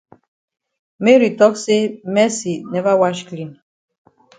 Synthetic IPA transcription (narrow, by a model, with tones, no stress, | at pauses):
mɛ˦ɾi˨tɔ˦kse˦mɛ˦si˨nɛ˦va˦wa˦ʃklĩ˨n